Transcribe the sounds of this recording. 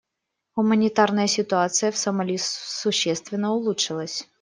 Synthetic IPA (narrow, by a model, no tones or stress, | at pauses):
ɣʊmənʲɪt̪arnəjəsʲɪt̪ʊat̪sɨjəfsɐmɐlʲisʊɕːɛst̪vʲɪnːəʊlˠutʂɨlˠəsʲ